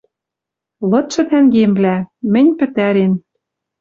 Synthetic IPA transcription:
lɤ̆t̪ʃɤ̆t̪æŋɡemblæmɘ̆nʲpɘ̆t̪æɾen

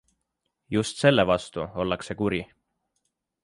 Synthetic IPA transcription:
just̪se̞lːevɑst̪uo̞lːɑkse̞kuɾi

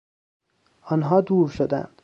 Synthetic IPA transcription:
ɒːnɦɒːd̪uːɾʃod̪æ̰nd̪̥

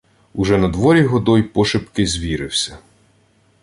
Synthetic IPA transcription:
uʒɛnɐd̪ʋɔɾʲiɦɔd̪ɔjpɔʃɪpkɪzʲʋʲiɾɪwsʲɐ

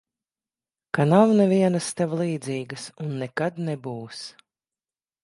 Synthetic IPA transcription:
kanawnɛvʲiɛnɐst̪ɛvlˠiːd̪ziːɡɨsunːɛkad̪nɛbuːs

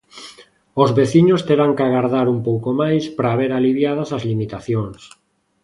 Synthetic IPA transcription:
ozβeθiɲost̪eɾaŋkaɣaɾðaɾumpowkomajspɾaːβeɾaliβjað̞ɐsazlimit̪aθjoŋs

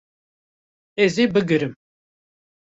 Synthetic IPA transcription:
ɛzibɨɡɨɾɨm

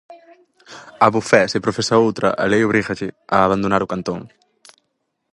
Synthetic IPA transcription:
aβufɛsɪpɾofesaowt̪ɾʔɐ̰ʔa̰lejoβ̞ɾiɣaʎɪaːβand̪onaɾʊkant̪oŋ

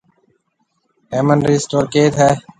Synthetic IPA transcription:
ɦeːmənɾisʈoːɾkeːt̪ɦɛː

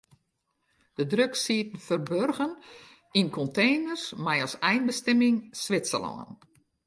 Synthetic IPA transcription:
d̥ədrøksiətən̩fərbørɣən | inkʰɔntʰeːnərsmɛjɔsɛjnbəstɛmɪŋsʋɪtsə̰lɔ̰ŋə̰n

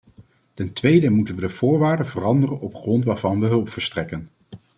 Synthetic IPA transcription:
tɛntʋejdəmutənʋədəv̥ʊːɹʋaːɹdəvərɑndərənɔpχrɔntʋaːɹvɑnʋəɦɵlˠpfəɹstrɛkən

